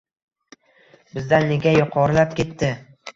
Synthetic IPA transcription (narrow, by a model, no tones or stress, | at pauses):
bɪzd̪anːe̞ɡʲajʊqʰɒɾlap̚kʲe̞t̪ːɪ